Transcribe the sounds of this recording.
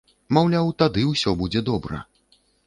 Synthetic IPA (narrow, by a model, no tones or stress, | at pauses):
mawlʲawt̪ad̪ɨwsʲɔbud͡zʲɛd̪ɔbɾɐ̰